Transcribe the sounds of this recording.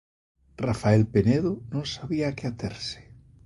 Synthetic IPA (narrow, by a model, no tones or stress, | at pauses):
rafaɛlpeneðʊnõŋsaβiaːkɪat̪eɾsɪ̥